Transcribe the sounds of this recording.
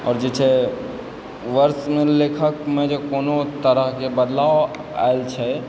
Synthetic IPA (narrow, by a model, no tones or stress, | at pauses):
ɔ̰ːɾd͡ʒɪt͡ʃʰe | ʋəɾsmẽleːkʰəkmẽd͡ʒokoːnot̪əɾəɦkebəd̪laːo | a̰elt͡ʃʰɛ